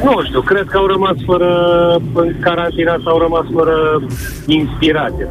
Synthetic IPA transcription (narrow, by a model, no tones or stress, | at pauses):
nuʃt̪iwkɾed̪̚kəawɾəmasfəɾə | kaɾant̪inasawɾəmasfəɾə | inspiɾat̪sija